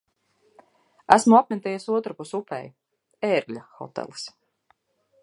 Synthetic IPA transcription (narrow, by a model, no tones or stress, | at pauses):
æsmuapmʲɛt̪ɛjasuɔt̪ɾapusupɛ̰j | ɛːɾɡʎʲaxɔ̰t̪ɛ̰lˠs